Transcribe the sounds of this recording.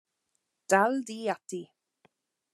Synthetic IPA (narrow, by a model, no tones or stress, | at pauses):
d̥aldiːatʰi